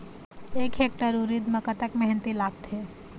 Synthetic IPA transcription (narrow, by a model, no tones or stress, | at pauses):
ekɦek̚ʈəɾuɾid̪məkət̪əkmɛɦnt̪ilaɡ̚t̪ʰe